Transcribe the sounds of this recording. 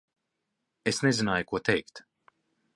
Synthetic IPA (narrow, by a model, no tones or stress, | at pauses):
esnezinaːjukuɔt̪ɛjkt̪